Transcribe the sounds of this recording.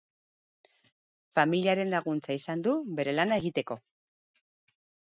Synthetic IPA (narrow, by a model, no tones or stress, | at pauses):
familiaɾe̞nlaɣ̞unt͡saisand̪uβe̞ɾe̞lanae̞ɣ̞it̪e̞ko̞